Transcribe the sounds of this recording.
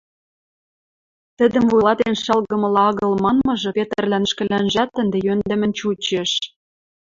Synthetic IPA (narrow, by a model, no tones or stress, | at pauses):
t̪ə̆d̪ə̆mvujlɑt̪enʃɑlɣɤ̆mɤ̆lɑɑɣɤ̆lmɑnmɤ̆ʒɤ̆pet̪ə̆rlænʃkɘ̆lænʒæt̪ːə̆nd̪ĕjønd̪ə̆mə̆nt͡ɕut͡ɕeʃ